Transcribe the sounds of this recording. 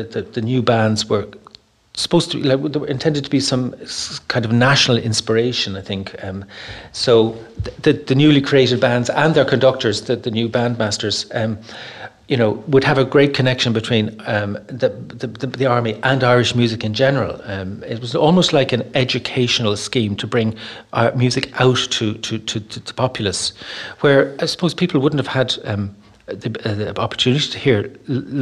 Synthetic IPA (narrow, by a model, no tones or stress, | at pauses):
ðəðɨnjʉːbãndzwə˞ | sə̥pʰoʊstʰəilaɪkwðəwə˞ɨ̃ntʰɛ̃ndɨd̚tʰəbisʌ̃mkʰãɪ̃ndʌvnaʃnəl̩ˠɪ̰̃nspə˞eɪʃə̃naɪθɪ̃ŋkʌmsoʊðɨðənjʉːlikʰɹ̥ieɪɾɨd̚bãndzə̃nðə˞kʰə̃ndʌk̚tə˞zðəðənjʉbãnd̚mastə˞z̥ʌm | jɨnoʊwəd̚əvəɡɹeɪt̚kʰənɛkʃə̃nbɨtʰw̥ĩnðəðəðəðiɑɹmiʔə̃naɪɹɪʃmjʉzɪkɨ̃nd͡ʒɛnə˞ə̰lˠɪt̚wʌzɔlˠmoʊstˡlaɪkɨ̃nɛd͡ʒɨkʰeɪʃənəl̩ˠskĩmtʰəbɹɪ̃ŋʔmjʉzɪkaʊtʰəɾʰɨtʰəə̥pʰɑpʰjl̩ˠəswə˞asə̥pʰoʊz̥pʰipʰl̩ˠwʊdⁿn̩təv̥əd̪ | ðiɑpə̥˞tʰʉnɪɾitʰəhiɹ